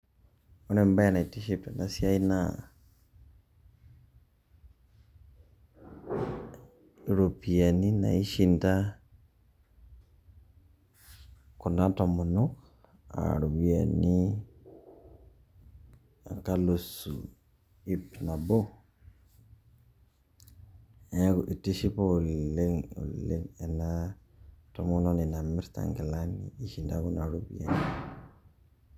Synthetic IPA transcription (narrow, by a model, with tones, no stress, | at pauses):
ɔ˦ɾɛ˨mba˦ja˨na˨i˨ti˦ʃi˨ta˨na˦sja˦i˦na | iɾo˨pia˨ni˦na̰˨i˦ʃinta˦ | ku˨na˦tɔ˨mu˨nu˦ | a̰˨ɾu˨βia˨ni˦ | a̰˨ŋka˦lu˨sṵ | i˦pna˨bo˦ | ɛ˦ku˨ʔi˨ti˦ʃi˦po˦˨le˦ŋṵ˨le˦ŋɛ˨na | tɔmuno˦ni˨na˨mi˦ɾta̰ŋɡɛ˨la˦nḭi˨ʃi˨nda˦ku˦na˨ɾubḭ˦ja̰˨ni